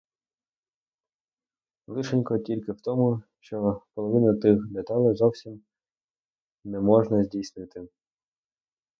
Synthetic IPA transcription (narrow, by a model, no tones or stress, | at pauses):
lˠɪʃenʲkɔtʲilʲkɪwt̪ɔmʊʃt͡ʃɔpɔlˠɔʋɪnɐt̪ɪxd̪et̪ɑlʲˠɛzɔwsʲim | nɛmɔʒnɐzʲdʲijsnɪt̪ɪ